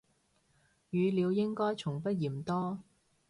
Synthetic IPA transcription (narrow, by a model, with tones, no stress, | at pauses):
jyː˨˧liː˨˧wjɪ˥ŋkɔː˥jt͡sʰʊ˨˩ŋpɐ˥t̚jiː˨˩mt̪ɔː˥